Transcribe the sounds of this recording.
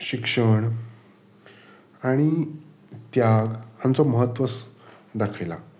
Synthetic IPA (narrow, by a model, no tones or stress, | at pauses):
ɕikʂəɳ | aɽ̃i | t̪jaɡhant͡sɔməɦət̪ːʋət͡s | d̪akʰajla̰